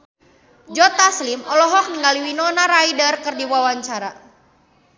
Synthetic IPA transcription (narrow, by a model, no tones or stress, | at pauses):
d͡ʒɔt̪aslimɔlɔɦɔk̚niŋɡaliwinɔnaɾaidərkərdiwawaɲt͡ʃaɾa